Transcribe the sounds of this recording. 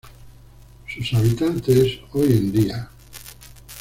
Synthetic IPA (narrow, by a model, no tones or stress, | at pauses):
susaβit̪ant̪esojend̪ia